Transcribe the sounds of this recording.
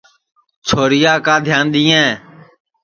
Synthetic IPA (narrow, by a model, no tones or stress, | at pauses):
t͡ʃʰoːɾɪjaːkãːd̪ʱjaːnɗ̪ĩːẽː